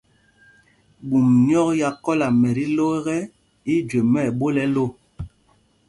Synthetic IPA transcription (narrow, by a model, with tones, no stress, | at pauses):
ɓu˨mɲ˦ɔ˦kja˨kɔ˦la˨mɛ˨ɾi˦lo˦ɣɛ˦ | i˦d͡ʒwe˨mɛ˦˨ɓo˦lɛ˦lo˦˨